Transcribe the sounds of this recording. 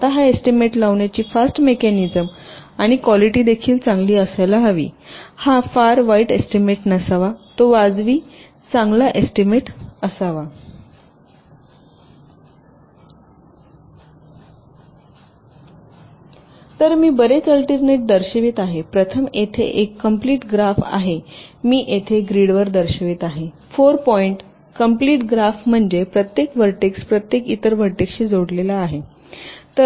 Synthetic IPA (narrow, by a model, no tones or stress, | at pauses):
at̪aɦaesʈimeʈlaʋɳjat͡ɕiːfasʈmekɛnid͡zəmaɽ̃ikʋɔliʈiːd̪ekʰiːlt͡sãŋɡliːəsalaɦaʋḭːhafaɾʋaiʈesʈimeʈnəsaʋat̪oʋad͡zʋiː | t͡sãŋɡlaʔesʈimeʈəsaʋa | t̪əɾmiːbəɾet͡səlʈiɾneʈ̚d̪əɾɕəʋit̪aɦepɾət̪ʰəmet̪ʰḛʔekːəmpliːʈɡɾafa̰ɦemiːʔet̪ʰeɡɾiɽʋəɾd̪əɾɕəʋiːt̪aɦe | foɾpɔiɳʈ | kəmpliːʈɡɾafm̤əɳd͡zepɾət̪jekʋəɾʈekspɾət̪jekit̪əɾʋəɾʈekɕiːd͡zoɽlelaːɦe | t̪ə